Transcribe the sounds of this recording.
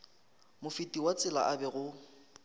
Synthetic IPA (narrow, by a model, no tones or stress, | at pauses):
mʊfɪtʼiwat͡sʼɪla̰ʔabɛɣʊ